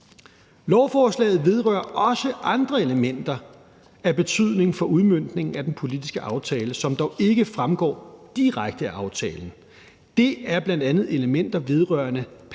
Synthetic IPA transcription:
lɒʊfɒːslɛ̰ːð̩ˠʋe̝ð̞ˠʁɶ̰ːɐʔɒ̽səʔɑ̈nd̥ʁɐe̝ləmen̰d̥ɐ | æɐb̥e̝t͡sʰyð̞̰ˠne̝ŋfɒ̽ʔuð̞ˠmøn̰d̥ne̝ŋŋ̩æd̥en̩pʰo̝lid̥isɡ̥əʔɑ̈ʊt͡sʰɛːləsɒ̽md̥ɒʊʔe̝ɡ̥əfʁamɡ̥ɒ̰ːd̥iʁaɡ̥̚d̥əæʔɑ̈ʊt͡sʰɛ̰ːln̩ | d̥e̝æɐb̥lænd̥ænð̞̩ˠe̝ləmen̰d̥ɐʋe̝ð̞ˠʁɶɐnəpʰ

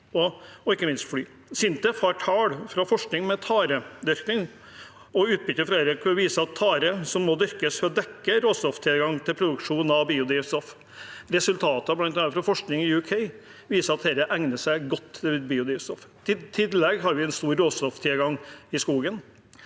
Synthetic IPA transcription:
ɔɔɪkːəmɪnst̪fɽyː | sɪnt̪əfɑʈʰɑːɽfɾɑfɔʂknɪŋmɛt̪ʰɑːɾəd̪ʏɾknɪŋ | ɔʉːt̪̚bʏt̪ːəfɾɑɛːɾəkʰʉnəʋiːsəɑt̪ʰːɑːɾəsɔmːɔd̪ʏɾkəsfɔɾɔd̪ɛkːəɾoːst̪ɔft̪ʰɪlɡɑŋt̪ʰɪlpʰɾʊd̪ʉkʂuːnɑʋbiːʊd̪ɾɪːʋst̪ɔf | ɾɛsʉlt̪ʰɑːt̪əblɑnt̪ɛɑfɾɑfɔʂknɪŋɪjʉkʰɛɪ | ʋiːsəɑt̪hɛɾəʔæŋnəsæɪɡɔt̪ʰːɪbiːʊd̪ɾɪːʋst̪ɔft̪ʰɪt̪ʰɪd̪lːɛɡɦɑɾʋɪɛnst̪uːɾːoːst̪ɔft̪ʰɪlɡɑŋːɪskuːɡən

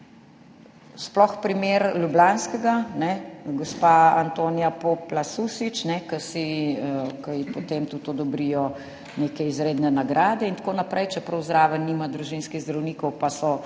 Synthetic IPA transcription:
splɔxpɾimeːɾlʲjublanskɛɡanɛɡɔspaant̪oːnjapoplasusit͡ʃnɛkəsi | kəjipot̪emt̪ut̪ɔd̪ɔbɾijɔ | nekɛizɾeːd̪nɛnaɡɾʔaːd̪ɛint̪koːnapɾʔɛjt͡ʃɛpɾɔwzd̪ɾaːʋɛnːimad̪ɾuʒinskiɣzd̪ɾawnikɔwpasɔ

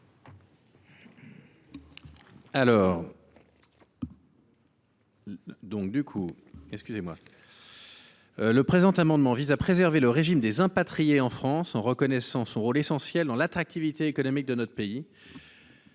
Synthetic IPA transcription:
alɔːʁ | d̪ɔ̃k̚d̪ykʰu | ɛkskʲyzemwa̰ | ləpχezɑ̃t̪amɑ̃d̪mɑ̃vizapχezɛʁveləʁeʒimd̪ezɛ̃pat̪χijeɑ̃fχɑ̃sɑ̃ʁəkɔnɛsɑ̃sɔ̃ʁolesɑ̃sjɛld̪ɑ̃lat̪χak̚t̪ʰivit̪ʰeːkɔnɔmik̚d̪ənɔt̪χəpei

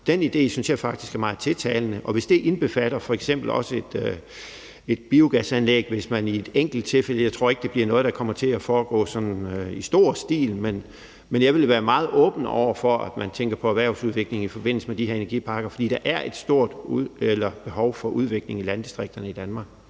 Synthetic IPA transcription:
d̥enid̥e̝̰ːsynsjɑ̈ɪfɑ̈ɡ̥d̥isɡ̥æɐmɑ̈ːð̩ˠt͡sʰe̝lt͡sʰɛːlənəʔɒ̽ʋe̝sd̥e̝ʔe̝nb̥e̝fæɾ̥ɐfɒ̽eɡ̥sem̰b̥l̩ɒ̽səe̝d̥ø | e̝d̥̚b̥io̝ɡ̥æsænleɡ̥ʋe̝smænied̥eŋ̰ɡ̥l̩d̥̚t͡sʰe̝lfel̰əjɑ̈ɪt͡sʰʁo̝ɐe̝ɡ̥əd̥e̝b̥liɐnɔ̽ð̞̩ˠdɑ̈kʰɒ̽m̰ɐt͡sʰe̝læfɒːɡ̥ɔ̰̽ːsɒ̽nnisd̥o̝ːɐ̰sd̥ḭːlmen | menjɑ̈ɪʋe̝lʋæːɐmɑ̈ːð̩ˠʔɔ̽ːb̥n̩ɒ̰ʊ̰ɐfɒ̽æd̥mænt͡sʰeŋɡ̥ɐpʰɒ̽æʋæɐ̰ʊsuð̞ˠʋeɡ̥le̝ŋifɒ̽b̥e̝n̰l̩səmed̥iheɐe̝næɐɡḭːpʰɑ̈ːɡ̥ɐfɒ̽d̥ḭːd̥ɑ̈ʔæɐʔe̝d̥sd̥o̝ɐ̰d̥elɐb̥e̝ɦɒʊfɒ̽ʔuð̞ˠʋe̝ɡ̥le̝ŋilænd̥isd̥ʁiɡ̥̚d̥ɐnəid̥ænmɑ̈ːɡ̥

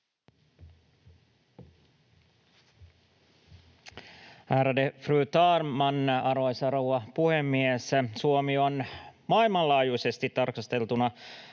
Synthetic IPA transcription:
æːɾædefryːt̪ɑːrmɑnɑɾojsɑɾowɑpuhemːiessuomionmɑːilmɑlɑːjuise̞st̪it̪ːɑrkɑst̪elt̪unɑ

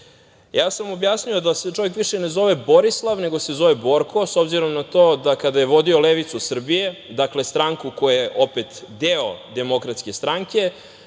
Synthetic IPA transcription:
jaːsamo̞bjasɲujod̪aset͡ʃo̞ʋje̞kʋiʃenezo̞ʋe̞bo̞ɾislˠaʋne̞ɡo̞se̞zo̞ʋebo̞ɾkʰo̞sobziɾo̞mnat̪o̞ːd̪akad̪ajeʋo̞d̪io̞leʋit̪susr̩bije̞d̪akle̞st̪ɾaŋkuko̞jujeʔo̞pet̪d̪eod̪e̞mo̞kɾat̪ske̞st̪ɾaŋke̞

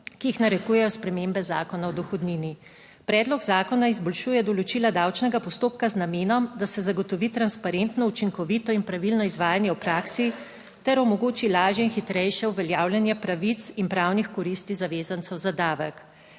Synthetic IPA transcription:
kiixnaɾɛkuːjɛjɔspɾɛmembɛza̰ːkɔnaɔd̪ɔxɔd̪nini | pɾɛːd̪lɔɡzaːkɔnaizbɔlʃuːjɛd̪ɔlɔt͡ʃilad̪awt͡ʃnɛɡapɔst̪oːp̚kaznameːnɔmd̪asɛzaɡɔt̪ɔʋiːt̪ɾanspaɾent̪nɔut͡ʃiŋkɔʋit̪ɔinpɾaʋilnɔizʋaːjanjɛwpɾaːksi | t̪ɛɾɔmɔɡoːt͡ʃilaːʒjɛinxit̪ɾɛjʃɛuʋɛljaːwljɛnjɛpɾaʋit̪sinpɾawnixkɔɾist̪izaʋeːzansəwzad̪aːʋək

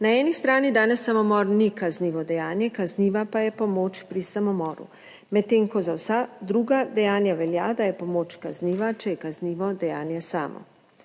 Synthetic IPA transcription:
naɛːnist̪ɾaːnid̪aːnɛsːamɔmɔɾnikazniːʋɔd̪ɛjaːnjɛkazniːʋapajɛpɔmoːt͡ʃpɾisamɔmɔːɾṵ | mɛt̪ːeːŋkɔzawsad̪ɾuːɡad̪ɛjaːnjaʋɛljad̪ajɛpɔmoːt͡ʃkazniːʋat͡ʃɛjɛkazniːʋɔd̪ɛja̰ːnjɛsa̰ːmɔ̰

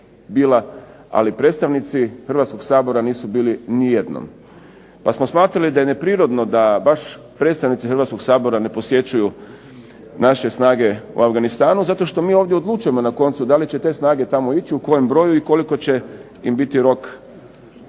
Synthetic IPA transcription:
biːlˠa | a̰lipɾe̞ːt̪st̪aʋnit̪sixɾr̩ʋat̪skoɡsaːbo̞ɾaniːsubiːlinijed̪no̰m | pasmo̞smaːt̪ɾalid̪aje̞ne̞pɾiːɾo̞d̪no̞d̪abaʃ | pɾet̪st̪aʋnit̪sixɾrʋat̪ko̞ɡsaːbo̞ɾane̞po̞sje̞t͡ɕuju | naʃe̞snaːɡe̞ṵafɡanist̪aːnuzat̪o̞ʃt̪o̞miːo̞ːʋd̪jeo̞d̪lˠut͡ʃuje̞mo̞nako̞nt̪sud̪alit͡ɕe̞t̪e̞snaːɡe̞t̪amoit͡ɕiuko̞je̞mbɾo̞juiko̞liko̞t͡ɕe̞ | imbit̪iɾo̞k

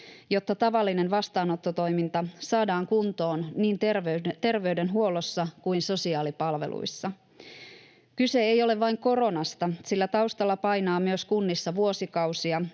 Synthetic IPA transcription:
jo̞t̪ːɑt̪ɑʋɑlːine̞nʋɑst̪ɑːnot̪ːot̪o̞jmint̪ɑsɑːdɑːŋkunt̪o̞ːnniːnt̪rʋt̪e̞rʋe̞yde̞nɦuo̞losːɑkuinso̞siɑːlipɑlʋḛlṵisːɑ | kyse̞ejo̞leʋʋɑiŋko̞ro̞nɑst̪ɑsilːæt̪ɑwst̪ɑlːɑpɑjnɑːmyøskunːisːɑʋuo̞sikɑwsiɑ

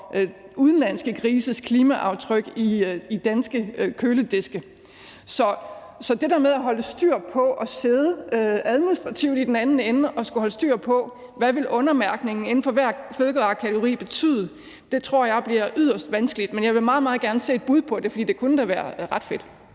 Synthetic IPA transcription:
ʔuð̞ˠn̩læn̰sɡ̥əkʰʁiːsəskʰliːmæʔɑ̈ʊt͡sʰʁœɡ̥iid̥ænsɡ̥əkʰøːləd̥e̝sɡ̥ə | sɒ̽sɒ̽d̥e̝dæɐmeðˠæɦɒ̽ləsd̥yɐ̰pʰɒ̽ʔɒ̽seð̞ˠəæð̞ˠminisd̥ʁɑ̈t͡sʰiʊðˠid̥enænn̩enəɒ̽sɡ̥uɒ̽ləsd̥yɐ̰pʰɒ̽ | ʋæʋe̝lʔɔ̽nɐmæɐɡ̥ne̝ŋn̩e̝n̩fɒ̽ʋæɐ̰føðˠɡ̥əʁɑ̈kʰæɾʰəɡ̥oʁḭːb̥e̝t͡sʰy̰ːð̞ˠə | d̥e̝t͡sʰʁo̝ɐ̰jɑ̈ɪb̥liɐʔyð̰ˠɐsd̥ʋænsɡ̥əlid̥menjɑ̈ɪʋe̝mɑ̈ːðˠmɑ̈ːð̩ˠɡ̥æɐnəse̝̰ːed̥̚b̥uð̞̰ˠpʰɒ̽d̥e̝fɒ̽d̥ḭːd̥e̝kʰunəd̥æʋæːɐʁɑ̈d̥fe̝d̥

